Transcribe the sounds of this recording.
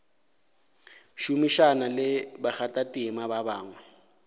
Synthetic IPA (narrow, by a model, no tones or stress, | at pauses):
ʃumiʃanalɪbak͡xatʼatʼimababaːŋwɛ